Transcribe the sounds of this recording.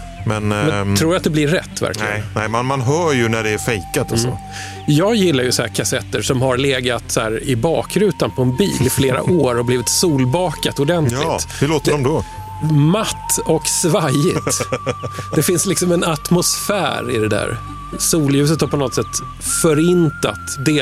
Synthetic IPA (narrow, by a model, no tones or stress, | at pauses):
mɛnmɛt̪ʰɾuːɾat̪̚d̪ɛblɪːɛ̰t̪ːvæ̰ɾk̪lɪɡɡnnɛmanmanɦœːjɵnæɖɛæɾfɛjkat̪aɔ̰ | jɑːɡjɪlːaɾjɵsahæ̰kʰasɛt̪ːəʂɔmhaɾleːɡat̪saæ̰ːɾɪbɑːkɾʉ̟ːt̪anpʰɔɛnbḭːlɪfleːɾa̰ʔoːɾɔbliːvɪt̪suːlbɑːkat̪ʊd̪ɛnt̪ʰlɪɡ̪hɵloːt̪ədɔmd̪ɔ | mat̪ʰːɔksvajɪt̪ | d̪ɛfɪnslɪksɔmɛnat̪mʊsfæ̰ːɾɪd̪ɛd̪æ̰ːɾ | suːljʉ̟ːs̬ət̪haɾpɔnɔt̪sɛt̪ː | fœɾɪnt̪a̰t̪d̪eː